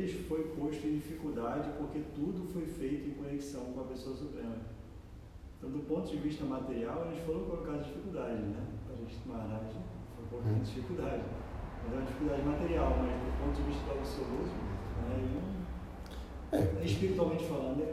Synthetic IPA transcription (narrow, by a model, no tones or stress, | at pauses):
lɪʃfojpoʃt̪ʊẽd͡ʒifikuwd̪ad͡ʒɪpoɾket̪ud̪ʊfojfejt̪ʊẽkõneksɐ̃w̃kõɐpesoɐsupɾẽmɐ | ẽt̪ɐ̃w̃d̪ʊpõnt̪ʊd͡ʒɪviʃt̪ɐmat̪eɾiawɐʒẽt͡ʃɪ̥falõwĩkolokaɾɐzd͡ʒifikuwd̪ad͡ʒɪznɛɐʒẽt͡ʃ̪maɾaʒẽfojpot̪ɐẽd͡ʒifikuwd̪ad͡ʒɪ | mɐzɛ̃ɐd͡ʒifikuld̪ad͡ʒɪmat̪eɾiawmɐzd̪ʊpõt̪ʊd͡ʒɪviʃt̪ɐp̪ɾɐvoseozʊnɛinɐ̃w̃ | ɛeʃpiɾit̪uawmẽnt͡ʃɪfalɐ̃d̪ʊɛ